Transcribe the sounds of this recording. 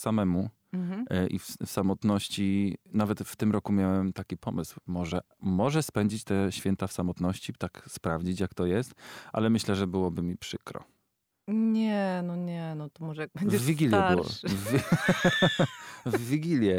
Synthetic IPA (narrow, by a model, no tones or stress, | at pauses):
samɛmu | ʔḭffsamɔt̪nɔɕt͡ɕinavɛt̪ft̪ɘmɾɔkumʲjawɛmt̪akʲipɔmɘswmɔʐɛ | mɔʐɛspɛɲd͡ʑit͡ɕt̪ɛɕfʲjɛnt̪afsamɔt̪nɔɕt͡ɕit̪akspɾavd͡ʑit͡ɕjakt̪ɔjɛst̪ʔa̰lɛmɘɕlɛʐɛbɘwɔbɘmʲipʂɘkɾɔ̰ | ɲɛnɔɲɛnɔt̪ɔmɔʐɛjaɡ̚bɛɲvd͡ʑɛvʲːiɡʲiljɛbwɔ̰v | vvːʲiɡʲilʲjɛ